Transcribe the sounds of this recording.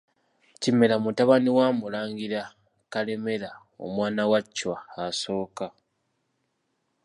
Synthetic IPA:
cime̞lamutaβaniwaːmulaːŋɡiɾa | kale̞me̞la | o̰mwaːnawacːwaaso̞ːka

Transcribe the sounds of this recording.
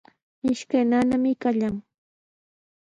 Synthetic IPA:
mɪʃkajnanamɪkaʎaŋ

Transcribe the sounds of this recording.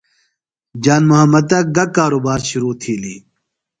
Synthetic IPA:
d͡ʑaːnmʊɦɐmːɐd̪̚ɐɡɐkaːɾoːbaːɾɕʊɾuːt̪ʰiːlḭː

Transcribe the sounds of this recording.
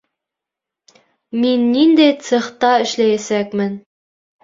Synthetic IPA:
minːind̪æjt̪sɘ̆χt̪ɑɘ̆ʃlæjæsækmɘn

